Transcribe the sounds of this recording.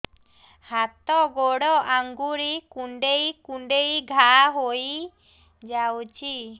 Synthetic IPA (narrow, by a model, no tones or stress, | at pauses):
hat̪ɔɡoɽɔʔaŋɡuɾikuɳɖejkuɳɖejɡʱaɦoj | d͡ʒawt͡ʃʰi